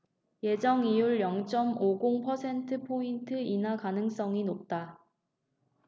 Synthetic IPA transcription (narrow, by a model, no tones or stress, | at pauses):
je̞d͡ʑʌŋijuɭjʌŋt͡ɕ͈ʌmoɡoŋpʰʌsʰe̞ntʰɯpʰointʰɯinakanɯŋs͈ʌŋinop̚t͈a